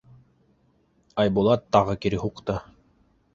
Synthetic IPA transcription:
ɑjbulˠɑt̪ːɑʁɤkiɾɘɦuqt̪ɤ

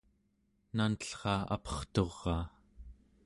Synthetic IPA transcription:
nanəɬχɑːa̰pʌ̥χt̪o̞ʁːɑː

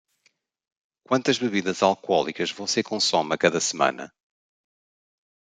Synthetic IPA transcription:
kwɐ̃nt̪ɐʒβɨβiðɐzalˠkɔlˠḭkɐʒvɐ̃w̃sekõsɔmɐkɐðɐsɨmɐ̰̃nɐ̰

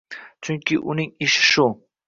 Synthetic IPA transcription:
t͡ʃʰʊŋkʲɪʔʊnɪŋɪʃɪ̥ʃʊ

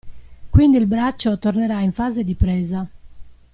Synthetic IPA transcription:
kwind̪iːlbɾat͡ʃːot̪orneɾaiɱfaːzed̪ipɾɛːza

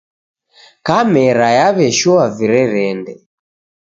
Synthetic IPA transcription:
kamɛɾajaβɛʃɔaviɾɛɾɛndɛ

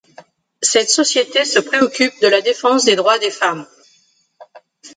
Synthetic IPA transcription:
sɛt̪sɔsjet̪esəpχeɔkʲʰyp̚d̪əlad̪efɑ̃sd̪ed̪ʁwad̪efam

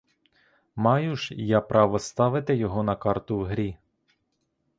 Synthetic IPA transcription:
mɑjʊʃjɑpɾʔɑʋɔst̪ɑʋɪt̪ɪjɔɦɔnɐkɑrt̪ʊwɦɾʲi

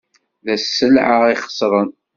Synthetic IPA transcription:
ðæsːəlʕaiχə̥sˤɾˤən

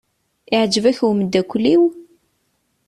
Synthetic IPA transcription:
ɪʕd͡ʒːəvæçwməd̪ːækʷːlːiw

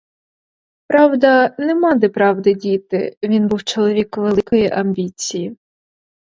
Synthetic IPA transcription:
pɾɑwd̪ɐnɛmɑd̪ɪpɾɑwd̪ɪdʲit̪ɪ̰ʋʲinbuwt͡ʃɔlˠɔʋʲikʋelˠɪkɔjiʔɐmʲbʲit͡sʲiji

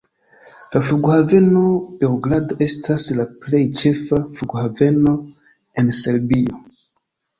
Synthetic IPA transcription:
lafluɡohave̞no̞b̥e̞uɡladoʔe̞stʰaslaple̞jt͡ʃe̞fafluɡohave̞no̞ | e̞nse̞ɾbio

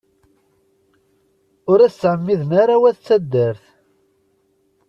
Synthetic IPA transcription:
ʊɾæsːʕəmːiðənaɾawæθt͡sːæd̪ːəɾθ

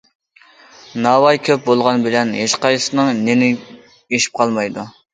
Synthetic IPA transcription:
nɑːwɑjkʲʰøp̚bolˠʁɑnbɪlɛnɦeʃqɑjsɨnɨŋnenɪ | eʃi̥p̚qʰɑlˠmɑjd̪u

